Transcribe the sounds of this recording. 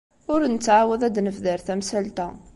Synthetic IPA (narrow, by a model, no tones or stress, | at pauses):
ʊɾnət͡sːʕawəðæd̪nəfðəɾθæmsælt̪æ